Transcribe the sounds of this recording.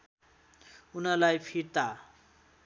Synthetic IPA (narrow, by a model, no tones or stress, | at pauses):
unʌlajpʰiɾt̪a